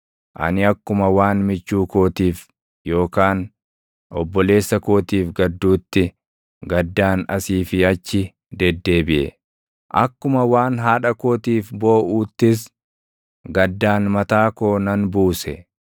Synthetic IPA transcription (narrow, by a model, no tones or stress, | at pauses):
ʔɐ̰nɪɐkːʊmɐwaːnmɪt͡ʃːuːko̞ːt̪iːf | jo̞ːkaːn | ʔɔbːɔle̞ːsːɐko̞ːt̪iːfɡɐd̪ːuːt̪ːɪ | ɡɐd̪ːaːnɐsiːfɪɐt͡ʃːɪ | d̪ɛd̪ːe̞ːbɪʔɛ̰ | ʔɐkːʊmɐwaːnɦaːᶑɐkoːt̪iːfbo̞ːʔuːt̪ːɪs̬ | ɡɐd̪ːaːnmɐt̪aːkoːnɐnbuːsɛ